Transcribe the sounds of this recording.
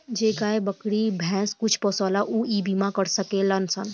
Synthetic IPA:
d͡ʒeːkaebəkɽibʱɛ̃ːskʊt͡ʃʰpɔsɔːlaʔuʔiːbimãkəɾsəkelənsən

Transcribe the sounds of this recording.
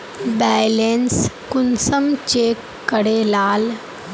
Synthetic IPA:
bɛːjlenskʊnsəmt͡ʃeːkːəɽelaːl

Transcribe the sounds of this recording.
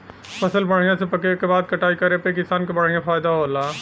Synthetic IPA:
pɐsəlbəɽ̤ijãsepɐkekebaːd̪̚kɐʈaːikɐɾepekɪsaːnkebɐɽ̤ijãfʰaːɪd̪aɦoːlaː

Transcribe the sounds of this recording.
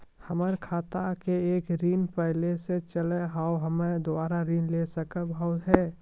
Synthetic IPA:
həməɾkʰaːt̪akeeːkɾiːnpəɦleset͡ʃəleɦaːwɦəmed̪ʊaːɾaɾiːnlesəkəbʱɔʊt̪ɦɛː

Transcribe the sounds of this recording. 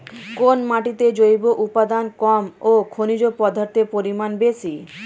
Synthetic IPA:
konmaʈit̪ed͡ʑojboʔupad̪ankɔmokʰonid͡ʑopɔd̪ʱaɾt̪epoɾimanbesi

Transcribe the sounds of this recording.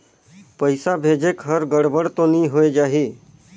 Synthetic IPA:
pəɪsabʱed͡ʒekɦəɾɡəɽbəɽt̪õniɦoed͡ʒaːɦi

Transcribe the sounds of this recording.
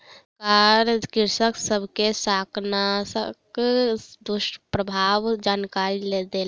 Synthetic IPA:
kaɾjəkɪɾsəksəbʱkesaːkʰnasək | d̪ʊʃʈpɾəbʱaːʋd͡ʒaːnkaːɾiled̪el

